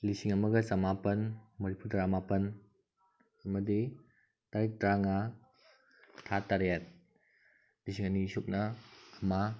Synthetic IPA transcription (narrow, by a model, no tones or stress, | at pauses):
lisiŋɐmɐɡɐsamapɐnmɐɾipʰuɾdɾamapɐn | ɐmɐdi | taɾit̚dɾaŋa | tʰataɾjat̪̚ | lisiŋanisup̚nɐːma